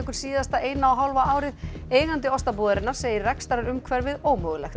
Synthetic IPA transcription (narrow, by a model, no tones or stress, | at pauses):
ɛhkʏɾ̥siːðast̪aʔeːjnaːwɦawlvaaːwɾɪð | eːjɣant̪ɪɔst̪ap̬uːðaɾɪnaɾ̥seːjɪrrɛkst̪aɾaɾʏmkʰvɛɾvɪðoːwmœːɣʏlɛxt̪